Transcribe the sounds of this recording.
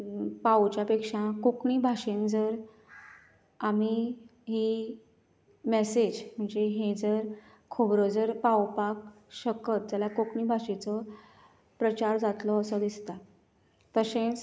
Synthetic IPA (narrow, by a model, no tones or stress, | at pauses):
pawt͡ɕjapekʂãkokɳiːbʱaɕẽnd͡zəɾ | amiɦi | mesed͡ʑm̤əɳd͡zeɦed͡zəɾ | kʰubɾəd͡zəɾpawpak̚ | ɕəkət̪̚d͡ʑjalakokɳibʱaɕet͡sɔ | pɾət͡ɕaɾd͡zat̪lɔːsɔd̪ist̪a | t̪əsẽt͡s